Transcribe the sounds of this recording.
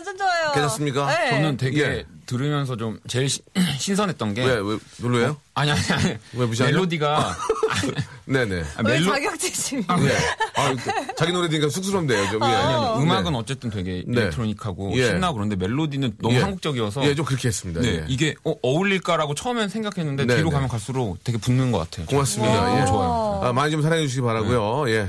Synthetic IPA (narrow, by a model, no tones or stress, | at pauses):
d͡ʑd͡ʑajokedas͈ɯmɲik͈aʌnɯntwe̞ɡetɯɾɯmjʌns̬ʰʌt͡ɕomt͡ɕe̞ɭɕʰɕʰinsʰʌnɦet̚t͈ʌnɡe̞jewe | nolːejo | aɲiaɲiaɲiwepuɕ̬ʰiaeɭːodiɡaane̞ne̞a̰meaɡjʌk̚t͡ɕeɕʰimaeat͡ɕaɡinoɾedɯiɲik͈ʰasʰuk̚s͈ʰɯɾʌmdejot͡ɕomjeaɯmaaɡɯnʌt͡ɕ͈e̞t͈ɯntwe̞ɡe̞inetʰɾoɲikʰaɡojeɕinːaɡɯɾʌndeme̞ɭːodinɯnːʌmusaŋɡuk̚t͡ɕ͈ʌɡiʌsʰʌjet͡ɕomkɯɾʌkʰeɦes͈ɯmɲidane̞eiɡe̞ʌʌuʎːiɭk͈aɾaɡot͡ɕʰʌʌmensʰe̞ŋɡakʰe̞nːɯnde̞iɾokamjʌnkaɭs͈uɾokt͈e̞ɡepunːɯnɡʌk͈atʰe̞jokoŋas͈ɯmɲidat͡ɕoajoamaɲit͡ɕoms̬ʰaɾaŋed͡ʑuɕ̬ʰiɡipaɾaɡujoje̞